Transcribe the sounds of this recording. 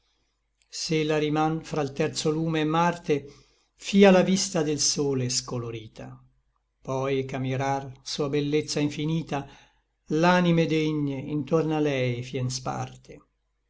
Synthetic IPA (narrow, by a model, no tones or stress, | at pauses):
selaɾimanfɾalt̪ɛrt̪soluːmeːmːart̪e | fiːalavist̪ad̪elsoːleskoloɾiːt̪ʰa | pɔjkamiɾarsuːabelːet̪sːaiɱfiniːt̪a | lanimed̪eɲːeint̪ornalɛjfjɛnspa̰rt̪e